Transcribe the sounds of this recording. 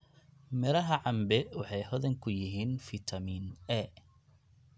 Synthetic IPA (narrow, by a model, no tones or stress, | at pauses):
mɛɾɐɦɐʕɑmbɛwɑħɑjɦɔðɐŋkʰʊjɪɦiːnfɪt̪ʰɐmiːnɛ